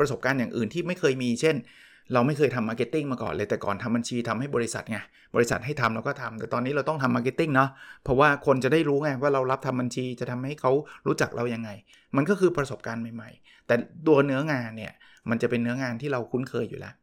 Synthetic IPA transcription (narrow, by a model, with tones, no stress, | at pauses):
pɾa˧so˨˩p̚kaː˧njaː˨˩ŋʔɯː˨˩nt̪ʰiː˥˩ma˥˩jkʰɤː˧jmiː˧t͡ɕʰe˥˩n | ɾa˧wma˥˩jkɤː˧jt̪ʰa˧mːaː˧ke˦˥t̪ːi˥˩ŋmaː˧kɔ̰ː˨˩nlɤː˧jt̪ɛː˨˩kɔ̰ː˨˩nt̪ʰa˧mba˧nt͡ɕʰiː˧t̪ʰa˧mha˥˩jbɔː˧ɾi˦˥sa̰˨˩t̪̚ŋa˧˩ | bɔː˧ɾi˦˥sa˨˩t̪̚ha˥˩jt̪ʰa˧mla˧wkɔː˥˩t̪ʰa˧mt̪ɛː˨˩t̪ɔː˧nːiː˦˥ɾa˧wt̪ɔ˥˩ŋt̪ʰa˧mːaː˧ke˦˥t̪ːi˥˩ŋnɔ˦˥pʰɔ˦˥waː˥˩kʰo˧nt͡ɕa˨˩daː˥˩jɾuː˦˥ŋa˧˩waː˥˩ɾa˧wɾla˦˥p̚t̪ʰa˧mba˧nt͡ɕʰiː˧t͡ɕa˨˩t̪ʰa˧mha˥˩jkʰa˦˥wɾuː˦˥t͡ɕa˨˩k̚ɾa̰˧wja˧ŋːa˧j | ma˧nkɔː˥˩kʰɯː˧pɾa˧so˨˩p̚kaː˧nma˨˩jma̰˨˩j | t̪ɛː˨˩t̪u˧ɐnɯ˦˥ɐŋaː˧nːi˥˩ɐ | ma˧nt͡ɕa˨˩pe˧nːɯ˦˥ɐŋaː˧nt̪ʰiː˥˩ɾa˧wkʰu˦˥nkʰɤː˧jːṵː˨˩lɛ̰˦˥ʔ